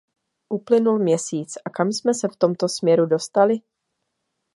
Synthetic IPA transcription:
ʔuplɪnulmɲɛsiːt͡sʔakamsmɛsɛft̪o̞mt̪o̞smɲɛɾudo̞st̪alɪ

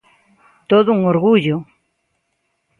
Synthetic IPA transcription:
t̪oðouŋoɾɣuʎo

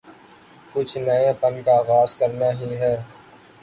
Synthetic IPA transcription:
kʊt͡ʃʰnɐẽpənkaːɣaːzkɐɾnaɦiɦɛː

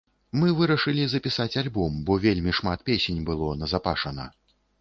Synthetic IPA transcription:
mɨvɨɾɐʂɨlʲizɐpʲisat͡sʲalʲbɔmbɔvʲelʲmʲiʂmat̪̚pʲesʲenʲbɨlˠɔnɐzapa̰ʂɐnɐ̰

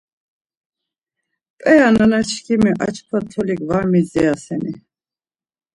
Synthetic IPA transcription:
pʼɛananat͡ʃʰkʰimiʔa̰t͡ʃkʰwat̪ʰɔliɡvaɾmizɛasɛni

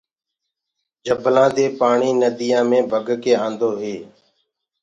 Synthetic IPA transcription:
d͡ʒəbʱlãːd̪eːpaːɳiːnəd̪ijãːmẽːbʱəɡkeːãːnd̪oːɦeː

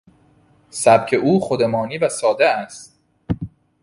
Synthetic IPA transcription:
sæb̚cʰe̞ʔuːxod̪emɒːniːvæsɒːd̪eæst̪

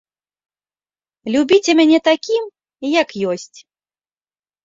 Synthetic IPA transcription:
lʲubʲit͡sʲɛmʲanʲɛt̪akʲim | jɐkjɔsʲt͡sʲ

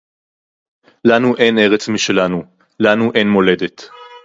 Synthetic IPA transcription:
lanuʔe̞ne̞ʁet͡smiʃe̞lanu | lanuʔe̞nmo̞le̞de̞t

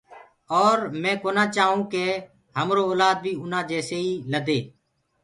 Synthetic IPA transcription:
ɔːɾmɛ̃ːkoːnaːt͡ʃaːɦũːkeː | həmɾoːoːlaːd̪̚bʱiːʊnãːd͡ʒɛːseːiːləd̪eː

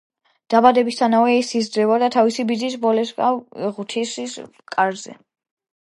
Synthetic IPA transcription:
d̪̥abad̪ɛbist̪ʰanavɛisisd̪ɾɛvad̪at̪ʰavisibid̪zisvɔlɛskʼaʁt̪ʰiss | kʼaɾzɛ̰

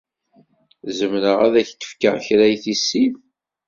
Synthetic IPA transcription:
zəmnəʁæðæçt̪ə̥fkə̰ʁçɾæjθisːim

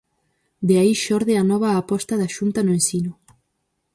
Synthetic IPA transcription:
d̪eaiʃɔɾðeanɔβ̞aːpɔst̪ɐðaʃunt̪anʊẽnsinʊ

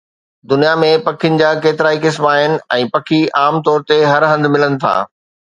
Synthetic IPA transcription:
d̪ʊnijamẽpɐkʰiɪənɪ̆d͡ʑaːkeːt̪ɪɾaːikɪsmaːɦɪnɪ̆ɛ̃ːpɐkʰiʔaːmt̪ɔːɾt̪eɦɐɾɦɐ̃nd̪mɪlənɪ̆t̪ʰa̰ː

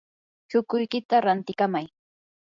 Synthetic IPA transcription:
t͡ʃʊkʊjkɪt̪aɾant̪ɪkamaj

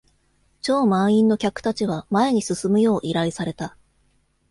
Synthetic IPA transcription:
t͡ɕo̞ːmãɰ̃ĩnːo̞kʲakɯ̟̥t̪at͡ɕiβamae̞ɲ̟isɨsɨmɯ̟jo̞ːʔiɾaisaɾe̞t̪a

